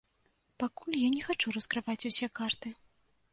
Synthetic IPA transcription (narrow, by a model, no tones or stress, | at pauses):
pakulʲjanʲɛxat͡ʂurɐskɾɨvat͡sʲusʲɛkart̪ɨ